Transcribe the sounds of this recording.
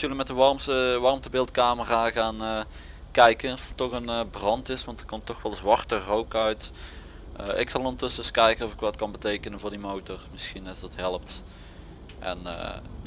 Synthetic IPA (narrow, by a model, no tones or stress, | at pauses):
ələmɛtdəʋɑrmsəʋɑrmstəbɪlˠtkaːməraɣaːnə | kɛjkənɔfətːɔɣənbrɑntɪsʋɑntərkɔmtːɔxʋɛlˠzʋɑrtərowkœɥt | əʔɪksɑlˠɔntɵsəəskɛjkənɔvɪkʋɑtkɑnbətejkənənvʊːɹrdimowtɔrmɪsxinɑzdɑtɦɛləp̚t | ʔɛ̰nə̰